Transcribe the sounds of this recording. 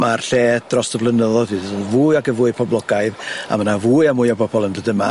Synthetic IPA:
marɬeːd̥rɔsd̥əvlˠənəðɔdivuːɨaɡəvuːɨpʰɔblˠɔɡajða̰manavuːɨamʊːɨabʰɔbɔlˠəmdədəma̰

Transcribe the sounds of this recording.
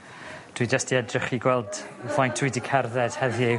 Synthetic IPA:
d̥wijd͡ʒəstiɛdrɪχiɡwɛlˠdvajntʰuidikʰarðɛd̥hɛðje

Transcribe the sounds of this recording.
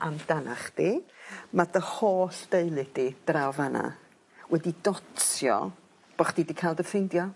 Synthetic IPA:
amdana̰χd̥imaðəhoːɬd̥eɨlˠɨd̥id̥rawvana̰ | wʔɛdidɔtsjɔ̰ | b̥ɔχd̥iːdikʰajlˠdəfɪndjɔ

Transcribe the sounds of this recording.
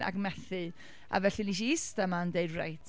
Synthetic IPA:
ʔa̰ɡmɛθɨ | a̰vɛɬɨniʃ̬iɪstamandejdrḛjtʰ

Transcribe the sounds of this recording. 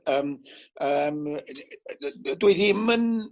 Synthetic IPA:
əːməm | dweðimən

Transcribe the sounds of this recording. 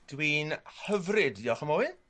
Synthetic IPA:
d̥wiːnhəvrɪdiɔχəmoːwɪ

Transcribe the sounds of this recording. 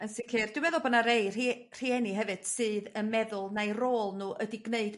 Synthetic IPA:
ənsikʰɨːrd̥ɪwmɛðʊlˠbɔdnaɾeɨr̥i | r̥iːɛniɦɛvɨd̥sɨːðənmɛðʊlˠnejroːlˠnuːʔədiɡneɨd

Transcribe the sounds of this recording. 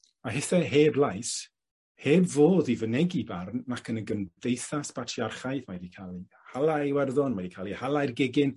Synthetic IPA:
aɦɪθɛɦeːblˠajs | heːbvoːðivənɛɡibarnːakʰənəɡəndejθasb̥atʰjarχajθmajdikʰalˠi | halˠajwɛrðɔnmadikʰalˠihalˠajrɡɪɡɪn

